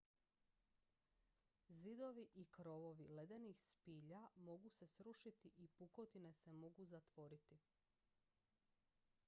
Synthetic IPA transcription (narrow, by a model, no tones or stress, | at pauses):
zid̪o̞ʋiʔikɾo̞ʋo̞ʋile̞d̪enixspiːʎamo̞ɡuse̞sɾuʃit̪iʔipukot̪ine̞se̞mo̞ɡuzat̪ʋo̞ɾit̪i